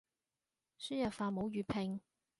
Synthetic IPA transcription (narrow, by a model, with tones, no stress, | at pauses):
sy˥jɐ˨faː˨˧mo˨˧˥wjyː˨˩pʰɪ˨ŋ